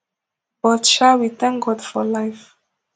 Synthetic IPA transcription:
b̥ɔtʃawit̪ɛ̃ŋk̚ɡɔdfɔlaɪf

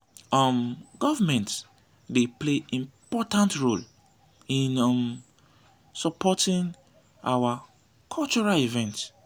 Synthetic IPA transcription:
ɔmɡɔvamɛ̃nt | depleʔĩmpɔtãntɹol | ĩnm | sɔpʰɔtĩŋ | awa | kʰɔlt͡ʃɔɹalivɛ̃nt

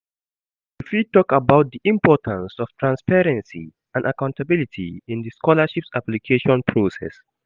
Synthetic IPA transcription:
difitɔkabaʊt̚d̪iʔĩmpɔtʰãnsɔftʰɹãnspɛɹɛ̃nsḭ | ãndʔakãʊ̃ntabilitʰḭɪ̃ndəskɔlaʃipsaplikʰeʃɔ̃npʰɹosɛ̰s

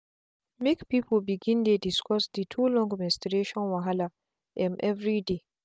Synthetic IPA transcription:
mekpipʰɔlbiɡĩndediskɔsditʰulɔ̃ŋɡmɛ̃stəɾeʃɔ̃nwaɦala | ʔɛ̃mʔɛvɹide

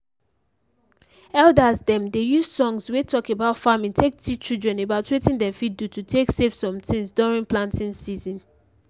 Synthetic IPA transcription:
ɛldazdɛ̃mdejuzsɔ̃ŋzwetʰɔkebaʊtfamĩŋtʰek̚tʰit͡ʃildɹɛ̃nebaʊtwetĩndɛfit̚dutʰutʰeksefsɔ̃mtʰĩnsdɔɹĩŋplãntĩnsizĩn

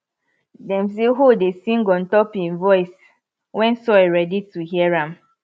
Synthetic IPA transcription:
dɛ̃ms̬eɦodesĩŋɡɔ̃n̩tɔpĩnvɔjs | wɛ̃nsɔɛɹɛdituɦiɛɹãm

